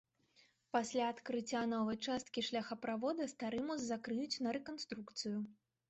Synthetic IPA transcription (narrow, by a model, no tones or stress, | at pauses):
pasʲlʲaːt̪kɾɨt͡sʲːanɔvɐjt͡ʂast̪kʲiʂlʲɐxɐpɾavɔd̪ɐst̪aɾɨmɔzːakɾɨjut͡sʲnɐɾɛkanst̪ɾukt̪sɨju